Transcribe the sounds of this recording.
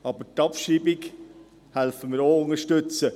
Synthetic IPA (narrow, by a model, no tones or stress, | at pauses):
ɑːbətɑpʃiːbɪk | hælfəmɪːɾoːʊŋəʃtɵt͡sə